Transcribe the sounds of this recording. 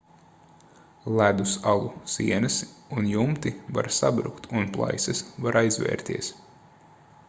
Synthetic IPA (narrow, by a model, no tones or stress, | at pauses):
lˠæd̪usalˠusiɛnɨsunjumt̪iva̰ɾsabɾṵkt̪unplˠa̰jsɛsvaɾʔajzvʲɛ̰ːɾt̪iɛs